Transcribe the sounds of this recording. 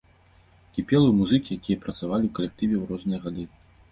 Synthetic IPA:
kʲipʲɛlˠɨmuzɨkʲijakʲijɐpɾɐt̪savalʲiwkɐlʲɛk̚t̪ɨvʲɛwɾɔznɨjɐɣad̪ɨ

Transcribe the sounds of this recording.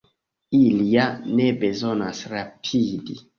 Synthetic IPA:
iliane̞be̞zo̞nasɾapʰidi

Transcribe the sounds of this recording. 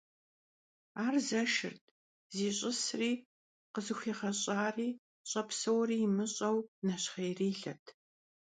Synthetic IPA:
aːrzɐʃɨ̰rtʰʼ | ziːɕʼɪsriː | qəzɨxʷiːχɐɕʼaːriː | ɕʼɐpsɐwriːjmɨɕʼɐwnɐɕχejriːɬɐ̰tʰ

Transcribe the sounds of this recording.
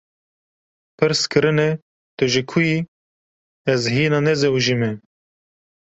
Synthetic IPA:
pʰɨɾskʰɨɾɨnɛ | t̪ɨʒikʰuji | ɛzɦiːnɑnɛzɛwʒimɛ

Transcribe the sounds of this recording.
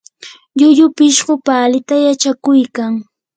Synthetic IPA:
ʎʊʎʊpɪʃɢʊpaːlɪt̪ajat͡ʃakʊjkaŋ

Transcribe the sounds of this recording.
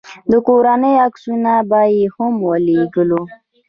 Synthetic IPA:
d̪əkoɾanəjaksunabɑjehʊmwəleɡəlu

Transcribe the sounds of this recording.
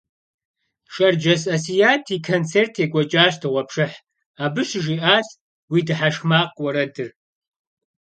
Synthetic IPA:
ʂʼɐrd͡ʒɐsɐsijaːtʰiːkʰont͡sʰeːrtʰeːkʷʼɔt͡ʃʼaːɕtʰɨʁʷɐpʰʂɨħ | aːbɨɕʒiːʔaːs | wiːdɨħaʂmaːqʼwɐɾɐdɨr

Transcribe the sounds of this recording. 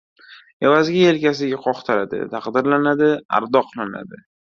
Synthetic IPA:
e̞vazɡʲae̞lkʲasɪɡʲaqʰɒχt̪ʰaɾad̪ɪ̰t̪ʰaqd̪ɪɾlanad̪ɪa̰ɾd̪ɒqlˠana̰d̪ɪ

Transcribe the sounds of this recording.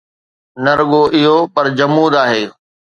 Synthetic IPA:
nɐɾɠoʔɪɦopɐɾd͡ʑɐmuːd̪aːɦeː

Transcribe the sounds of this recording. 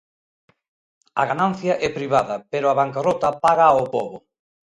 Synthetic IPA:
ɐ̰ɣanan̟θjɐʔɛpɾiβaðɐpeɾʊaβaŋkarɔt̪ɐpaɣɐopɔ̰βʊ

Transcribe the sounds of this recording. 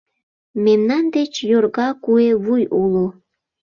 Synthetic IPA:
memnɑnd̪et͡ɕjorɣɑkueβujulu

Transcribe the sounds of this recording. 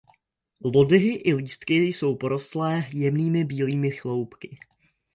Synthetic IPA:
lo̞dɪɦɪʔɪliːst̪kɪjso̞wpo̞ɾo̞slɛːjɛmniːmɪbiːliːmɪxlo̞wpkɪ

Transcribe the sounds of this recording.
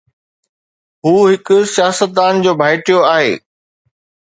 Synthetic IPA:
ɦuːɦɪkʊsijaːsət̪̚d̪aːnd͡ʑoːbʱaːɪʈijoaːɦḛː

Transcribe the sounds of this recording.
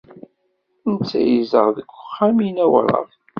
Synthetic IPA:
ənt͡sːæjəzəʁðəɡʷʊχːæminæwɾˤɑ̰ð

